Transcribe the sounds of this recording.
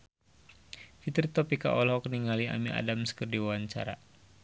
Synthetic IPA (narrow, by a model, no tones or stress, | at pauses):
fit̪ərt̪ɔpika̰ʔɔlɦɔkniŋalia̰mia̰damsə̥kərdiwawaɲt͡ʃa̰ɾa̰